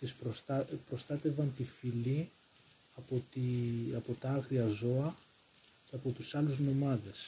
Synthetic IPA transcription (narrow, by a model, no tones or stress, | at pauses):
t̪ispɾosɐpɾo̞st̪ɐt̪e̞vɐnt̪ifili | ɐpot̪iɐpo̞t̪ɐɐɣɾiɐzo̞ɐ | cɐpo̞t̪usɐluzno̞mɐðe̞s